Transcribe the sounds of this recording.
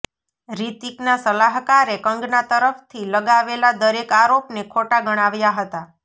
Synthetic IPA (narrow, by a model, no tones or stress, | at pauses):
ɾit̪iknasəlaɦkaɾekəŋɡnat̪əɾəft̪ʰiləɡaʋelad̪əɾekaɾopnekʰoʈaɡəɽ̃aʋjaɦət̪a